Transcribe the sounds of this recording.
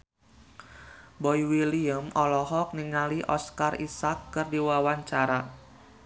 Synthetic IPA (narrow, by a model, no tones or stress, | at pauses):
bɔjwiliəmɔlɔɦɔk̚niŋaliʔɔskarisakːɨrdiwawaɲt͡ʃaɾa